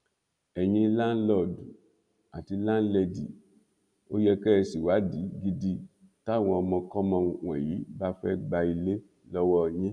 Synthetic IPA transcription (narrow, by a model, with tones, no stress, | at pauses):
ɛ˨j̃ĩ˧la˦n˦lɔ˦˨du˨ | a˨ti˧lã˦n̩˦lɛ˧di˨ | o˦jɛ˧kɛ˦ɛ˧si˨wa˨˦di˨˦ɡi˧di˦˨ | ta˦˨w̃ɔ̃˧ɔ˧mɔ̃˧kɔ˦mɔ̃˧wɛ̰˨ji˨˦ba˦fɛ˦ɡ͡ba˧i˧le˦ | lɔ˦wɔ˦˧˨ɲĩ˦